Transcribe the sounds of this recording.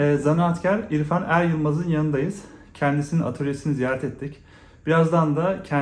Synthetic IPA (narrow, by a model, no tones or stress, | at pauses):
ɛːzanaat̪cʰæɾiɾfanæɾjɯlˠmazɯnjanɯnd̪ajɯz̥cʰɛnd̪isininʔa̰t̪ʰoɾʲesinizijaːɾɛt̪ʰɛt̪ʰːic | b̥iɾazd̪and̪acʰɛ